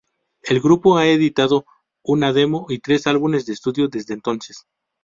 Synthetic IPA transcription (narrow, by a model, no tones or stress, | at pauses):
elɡɾupoae̞ðit̪aðo̞ | unaðe̞mo̞it̪ɾe̞salβune̞zd̪est̪uðjoðe̞zðeːnt̪o̞nses